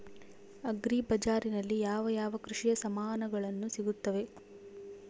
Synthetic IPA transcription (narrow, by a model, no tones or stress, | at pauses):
ɐɡɾiːbɐd͡ʒaːɾinɐlːijaːʋɐjaːʋɐkɾuʂijɐsɐmaːnɐɡɐɭɐnːusiɡut̪ːɐʋe̞